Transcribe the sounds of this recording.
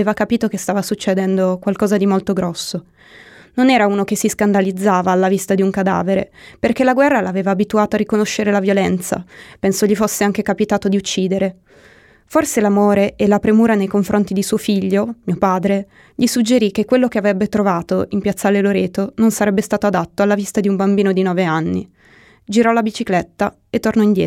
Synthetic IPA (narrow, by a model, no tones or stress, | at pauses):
eːvakapiːt̪okest̪aːvasut͡ʃːed̪ɛnd̪okwalkɔːzad̪imolt̪oɡɾɔsːo | nonɛːɾauːnok̟esiskand̪alid̪zːaːvaːlːavist̪ad̪iuŋkad̪a̰ːveɾḛperk̟elaɡwɛrːalaːveːvaːbit̪uaːt̪oarikonoʃːeɾelavjolɛnt̪sa̰pensoʎifosːeaŋk̟ekapit̪aːt̪od̪iut͡ʃːiːd̪eɾe | forselamoːɾeʔelapɾemuːɾanejkoɱfɾʔont̪id̪isuːofiʎːomiːopaːd̪ɾe | ʎisud͡ʒːeɾik̟ːekːwelːokeavɾɛbːet̪ɾovaːt̪oimpjat̪sːaleloɾeːt̪ononsaɾɛbːest̪aːt̪oad̪at̪ːoalːavist̪ad̪iumbambiːnod̪inɔːveanːḭ | d͡ʒiɾɔlabit͡ʃiklɛt̪ːa | et̪ːornɔind̪jɛ̰